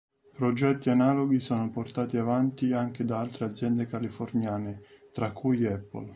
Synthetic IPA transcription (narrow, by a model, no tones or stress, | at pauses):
pɾod͡ʒɛt̪ːianaːloɡisɔːnoport̪aːt̪iavant̪iaŋk̟ed̪aalt̪ɾead̪zːjɛnd̪ekalifornjaːnɪt̪ɾakːujɛpːɔ̰l